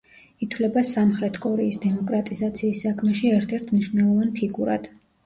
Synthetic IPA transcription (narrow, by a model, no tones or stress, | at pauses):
it̪ʰlɛbasamχɾɛt̪ʰkʼɔɾɛisd̪ɛmɔkʼɾat̪ʼizat̪sʰiːsːakʰmɛʃiɛɾt̪ʰɛɾt̪ʰmniʃwnɛlˠɔvanpʰiɡuɾa̰d̪̥